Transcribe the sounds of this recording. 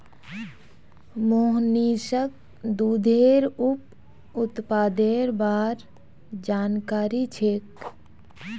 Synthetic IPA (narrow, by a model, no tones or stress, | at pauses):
moːɦniːsək̚ | d̪ud̪ʱeːɾup̚ | ʊt̪paːd̪eːɾbaːɾ | d͡ʒaːnkaːɾit͡ʃʰeːk